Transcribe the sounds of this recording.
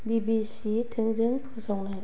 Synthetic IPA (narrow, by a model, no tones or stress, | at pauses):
bibisitʰɯŋzɯŋpʰusawna